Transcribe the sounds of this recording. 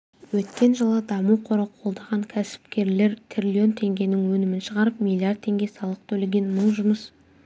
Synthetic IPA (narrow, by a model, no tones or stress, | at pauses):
wɵt̪kʲe̞nʒəlˠəd̪ɑmuwqʰo̞ɾɑqʰo̞lˠd̪ɑʁɑŋkʲʰæsɪ̥p̚kʲe̞ɾle̞ɾt̪ʰrʲilʲio̞nt̪ʰe̞ŋɡʲe̞nɪŋwɵnɪmɪnʃəʁɑɾəp̚mʲilʲˠːiard̪̚t̪ʰːe̞ŋɡʲe̞sɑlˠəq̚t̪ʰɵleɡʲe̞nməɴʒʊməs